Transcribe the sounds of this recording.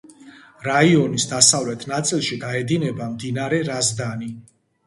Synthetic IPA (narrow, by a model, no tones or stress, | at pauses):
ɾaiɔnisd̪asavlɛt̪ʰnat̪sʼilˠʃid̪aɛd̪inɛbamd̪inaɾɛɾazd̪ani